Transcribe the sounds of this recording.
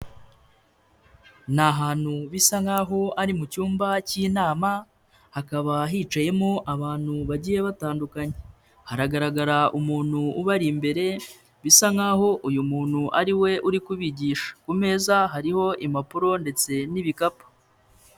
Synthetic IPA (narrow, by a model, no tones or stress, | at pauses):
naɦaːn̥huβisaŋaɦo̞aɾimucuːmbaciːnaːma | hakaβaɦiːt͡ʃaje̞moʔaβaːn̥huβaɟiːjeβataːndukaɲe | haɾaɡaɾaɡaɾaʔumuːn̥huuβaɾimbe̞ɾe̞ | βisaŋaɦo̞ʔujumuːn̥huʔaɾiwe̞ʔuɾikuβiɟiːʃḁkume̞ːzaɦaɾiho̞ʔimapuɾo̞nde̞t͡se̞niβikapḁ